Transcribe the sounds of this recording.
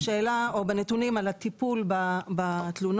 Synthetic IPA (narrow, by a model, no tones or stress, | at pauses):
ʃeːlaobenet̪unimalat̪ipulbabat̪lun